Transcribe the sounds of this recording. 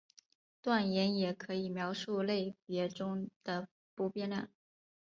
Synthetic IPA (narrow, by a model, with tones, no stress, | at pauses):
t̪wa˥˩njɛ˧˥njɛ˨˩kʰɤ˧˥i˨˩mjɑ˧˥ʊʂu˥˧le˥˩ɪpjɛ˧˥ʈ͡ʂʊ˥ŋd̪̥ə˨ | pu˧˥pjɛ˥na̰˥˩n